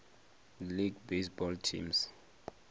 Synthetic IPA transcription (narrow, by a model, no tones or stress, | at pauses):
liɡbesbɔltʰḭms